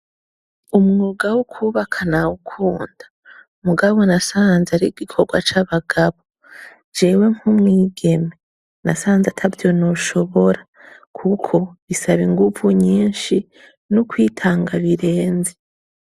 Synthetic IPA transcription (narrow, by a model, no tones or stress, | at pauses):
umŋoːɡawukʰuːβakʰanaukʰuːnd̥a | muɡaβo̞nasaːnzaɾiɡ̥ikʰo̞ɡwa̰t͡ʃaβaɡ̥aβo | d͡ʒeːwe̞ŋ̥humŋiːɡe̞me | nasaːnzatʰavjo̞no̞ʃo̞βoɾa | kʰukʰo̞βisaβiŋɡuvuɲiːnʃi | nukwiːtʰaːŋɡaβiɾe̞ːnzi